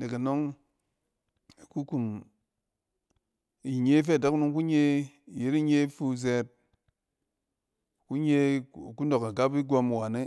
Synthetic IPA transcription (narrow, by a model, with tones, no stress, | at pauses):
ne˨ka˨no˦ŋ | e˨ku˦ku˨m | i˨ɲe˦f̬e˦a˨da˦knu˦ŋku˦ɲe˦˨je˦ɾi˦ɲe˦fu˦ze˦t̚ | ku˦ɲ˦e˦˨ku˦no˨ka˨ɡa˦pi˦ɡʷo˦m˨wa˨ne˦